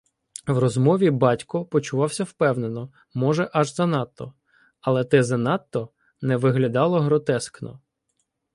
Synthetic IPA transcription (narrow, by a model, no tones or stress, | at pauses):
wrɔzmɔʋʲibɑtʲkɔpɔt͡ʃʊʋɑwsʲɐwpɛwnenɔ | mɔʒɛʔɐʒzɐnɑt̪ːɔ | ɐlˠɛt̪ɪzɐnɑt̪ːɔ | nɛʋɪɦlʲɐd̪ɑlˠɔɦɾɔt̪ɛsknɔ̰